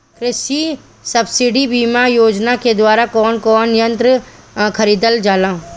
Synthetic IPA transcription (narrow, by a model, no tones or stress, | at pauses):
kɾɪsi | sɐbsɪɖibiːmajoːd͡ʒnaked̪waːɾakɔːnkɔːnɪjə̃nt̪ɾə | kʰɐɾiːd̪əld͡ʒaːlãː